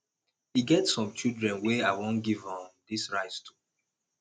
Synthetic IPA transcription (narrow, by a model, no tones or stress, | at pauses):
iɡɛtsɔ̃mt͡ʃildɹɛ̃nweaɪwõnɡivɔ̃mdisɹaɪttʰu̥